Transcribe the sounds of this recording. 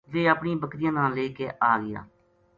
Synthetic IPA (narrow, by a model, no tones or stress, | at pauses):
ʋeːapɳĩːbəkɾɪjãːnãːleːkeːʔaːɡɪja̰ː